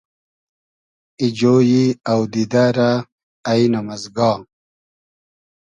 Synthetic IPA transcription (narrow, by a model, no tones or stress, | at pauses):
id͡ʑoːjiɐwd̪id̪aːɾaː | inɐmɐzɡɑː